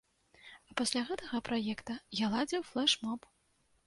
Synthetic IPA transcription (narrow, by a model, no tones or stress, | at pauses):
ɐpasʲlʲaɣɛt̪ɐɣɐpɾajɛkt̪ɐjalˠad͡zʲiwflˠɛʂmɔp